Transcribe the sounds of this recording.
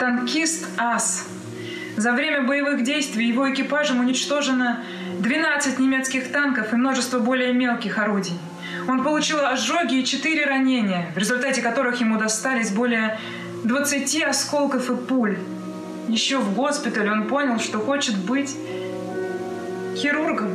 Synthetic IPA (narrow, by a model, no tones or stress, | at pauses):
t̪ɐnkʲist̪as | zɐvɾʲemʲəbəjɪvɨɣdʲejst̪vʲɪjːɪvo̞ɪkʲɪpaʐəmʊnʲɪt͡ɕt̪o̞ʐɨnə | d̪vʲɪnat̪sɨt̚ʲnʲɪmʲe̞t̪skʲɪxt̪ankəfɨmno̞ʐɨst̪vəbo̞lʲɪjəmʲe̞lˠkʲɪxɐɾudʲɪj | o̞npəlˠʊt͡ɕilˠɐʐoɡʲɪːt͡ɕɪt̪ɨɾʲɪɾɐnʲenʲɪjəvɾʲɪzʊlʲt̪atʲɪkɐt̪o̞ɾɨxjɪmud̪ɐst̪alʲɪsʲbo̞lʲɪjə | d̪vət̪sɨtʲiɐsko̞lˠkəfɨpulʲ | jɪɕːo̞vɡo̞spʲɪt̪əlʲɪonpo̞nʲəlˠʂt̪o̞xo̞t͡ɕɪt̪bɨtʲ | xʲɪɾurɡəm